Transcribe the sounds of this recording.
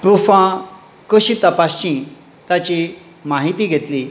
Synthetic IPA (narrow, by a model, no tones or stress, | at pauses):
pɾufã | kəɕit̪əpast͡ɕĩ | t̪jat͡ɕi | maɦit̪iɡʱet̪li